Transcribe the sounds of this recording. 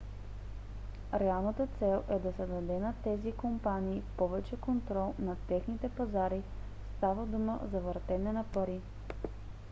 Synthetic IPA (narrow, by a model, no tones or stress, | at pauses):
ɾɛalˠnət̪ət̪sɛlˠɛd̪ɐsɛd̪ɐd̪ɛnɐt̪ɛzikompaniːpɔvɛt͡ʃɛkont̪ɾɔlˠnɐt̪ɛxnit̪ɛpɐzaɾi | st̪avəd̪uməzɐvəɾt̪ɛnɛnɐpɐɾi